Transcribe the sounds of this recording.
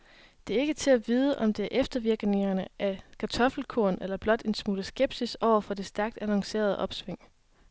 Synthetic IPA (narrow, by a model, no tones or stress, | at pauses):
d̥e̝æɐe̝ɡ̥ət͡sʰe̝læʋiːð̞ˠəʔɒ̽md̥e̝æɐʔefd̥ɐʋiɐɡ̥ne̝ŋɐnəʔækʰæt͡sʰɒ̽fl̩kʰo̝̰ɐnelɐb̥lɒ̽d̥e̝nsmuːləsɡ̥eb̥sisɒʊ̰ɐfɒ̽d̥e̝sd̥æɐɡ̥̚d̥ænɑŋse̝̰ːɐð̞ˠʔɒ̽b̥sʋeŋ̰